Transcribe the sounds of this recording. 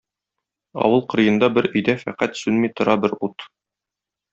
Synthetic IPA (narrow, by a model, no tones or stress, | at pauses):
ɒ̰wɤlˠqɤ̆ɾɤ̆jɤ̆nd̪ɑbɘɾɵ̆jd̪æfæqæt̪sʉnmit̪ŏɾɑbɘɾut̪